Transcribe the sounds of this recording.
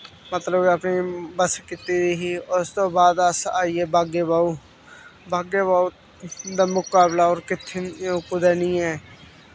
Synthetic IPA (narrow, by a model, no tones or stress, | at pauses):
mət̪ləbəpniːbəskɪt̪iːd̪iɦiːʊst̪õːbaːd̪əsaːieːbaːɡeːbaːuː | bʱaːɡeːbaːu | d̪aːmʊkaːblaːɔːɾkɪt̪ʰːekʊd̪ɛːnĩːɛː